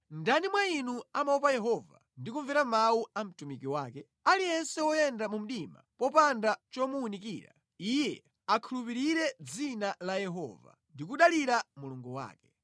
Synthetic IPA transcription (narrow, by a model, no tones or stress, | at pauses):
ndanimwainuamaupajɛɦɔva̰ | ndikuɱvɛɾamauam̩tumikiwaːkɛ | alijɛnsɛwɔjɛndamum̩ɗima̰pɔpandat͡ʃɔmuunikḭːɾa̰ | ijɛ | akʰulup̬iɾiɾɛd͡zinalajɛɦɔ̰va̰ | ndikuɗaliɾamuluŋɡuwa̰ːkɛ̥